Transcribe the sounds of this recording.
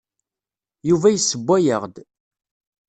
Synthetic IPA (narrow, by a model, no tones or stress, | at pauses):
juvæjəsːəbʷːæjəʁd̪